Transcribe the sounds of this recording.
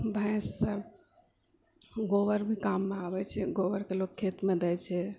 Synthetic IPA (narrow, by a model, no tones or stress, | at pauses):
bʱɛ̃sːə | ɡoʋəɾbʱikamːeabɛt͡ʃʰɛɡoʋəɾkelokʰːet̪med̪ɛjt͡ʃʰɛ